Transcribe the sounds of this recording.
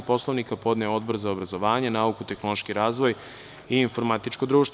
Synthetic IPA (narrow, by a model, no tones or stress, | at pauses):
po̞slˠo̞ʋnikapo̞d̪neo̞d̪bo̞ɾzaobɾazo̞ʋaːɲenaukut̪e̞xno̞lˠoʃkiɾaːzʋo̞j | iːnfo̞ɾmat̪it͡ʃkod̪ɾuːʃt̪